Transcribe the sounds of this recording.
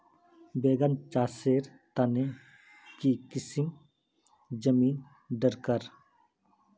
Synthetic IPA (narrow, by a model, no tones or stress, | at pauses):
beːɡant͡ʃaːseːɾt̪ane | kikɪsim | d͡ʒəmiːn | ɖəɾkəɾ